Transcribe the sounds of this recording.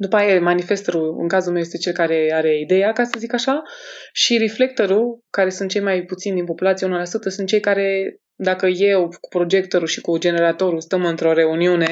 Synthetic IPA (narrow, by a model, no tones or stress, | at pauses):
d̪upajejmanife̞st̪oɾuɨ̰ŋkazulmewjest̪e̞t͡ʃe̞lkaɾe̞aɾe̞id̪e̞jakasəzikaʃaʃiɾifle̞k̚t̪o̞ɾukaɾe̞sunt̪̚t͡ʃe̞jmajput̪sind̪inpo̞pulat̪sijeunəlasut̪əsunt̪̚t͡ʃejkaɾe̞ | d̪akəje̞wku̥pɾo̞d͡ʒe̞k̚t̪oɾuʃikud͡ʒe̞ne̞ɾat̪o̞ɾust̪əmɨnt̪ɾo̞ɾe̞uniune̞